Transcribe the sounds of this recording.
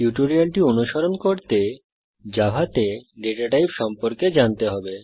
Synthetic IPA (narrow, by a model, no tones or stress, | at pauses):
juʈoɾialʈionuʃɔɾonkoɾt̪e | d͡ʑabʱat̪eɖeʈaʈajpʃɔmpoɾked͡ʑant̪eɦɔbe